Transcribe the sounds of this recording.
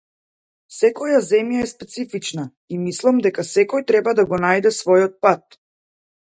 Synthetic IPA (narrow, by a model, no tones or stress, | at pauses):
sɛkɔjazɛmjaɛspɛt̪sifit͡ʃna | imislˠamd̪ɛkasɛkɔjt̪ɾɛbad̪aɡɔnajd̪ɛsvɔjɔt̪̚pat̪